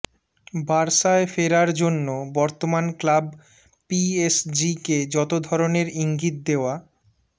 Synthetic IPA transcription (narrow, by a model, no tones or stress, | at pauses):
baɾʃaefeɾaɾd͡ʑonːobɔɾt̪omanklab | piesd͡ʑiked͡ʑɔt̪od̪ʱɔɾoneɾiŋɡit̪̚d̪eoa